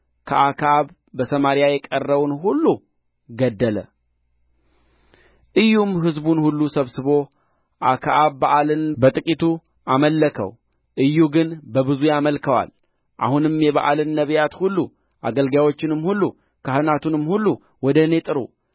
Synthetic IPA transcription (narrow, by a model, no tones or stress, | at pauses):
kʰəʔakʰaβ | bəsəmaɾjajɛkʼərːəβunhulːu | ɡəd̪ːələ̰ | ʔɨjːumɦɨzbunhulːusəβsɨβo̞ | ʔakʰaʔaβːaʔalɨnbət̪ʼɨkʼit̪ʰu | aməlːəkʰə̰w | ʔɨjːuɡɨnbəbɨzujaməlkʰəwa̰l | ʔa̰hunɨmjɛβa̰ʔalɨnːəβjat̪hulːu | ʔa̰ɡəlɡjawo̞t͡ʃːɪnɨmːhulːu | kʰahɨnat̪unɨmːhulːu | wɔd̪əne̞t̪ʼɨɾṵ